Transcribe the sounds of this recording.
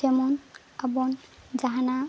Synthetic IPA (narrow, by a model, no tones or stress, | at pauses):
ɛmɔn | abɔn | d͡ʒaɦana